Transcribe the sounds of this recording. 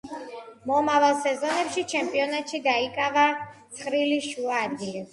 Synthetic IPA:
mɔmavalˠsɛzɔnɛpʃit͡ʃʰɛmpʼiɔnat̪ʃid̪aikʼavat̪sʰχɾiliʃuaːd̪ɡili

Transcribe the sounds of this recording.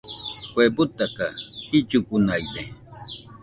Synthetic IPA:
kwebʊt̪akahit͡ʃʊkʊnajd̪e

